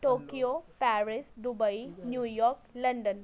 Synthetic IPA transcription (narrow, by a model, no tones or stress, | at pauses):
ʈokijopæɾisd̪ubəinjujɔɾkləɳɖən